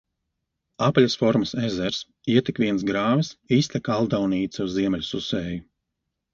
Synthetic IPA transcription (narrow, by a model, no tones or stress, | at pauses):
aplʲasfɔɾmɐsɛzɛɾs | iɛt̪ikʋʲiɛns̬ɡɾaːvisiːst̪ʲɛkalˠd̪awniːt̪suzziɛmɛlʲususɛːju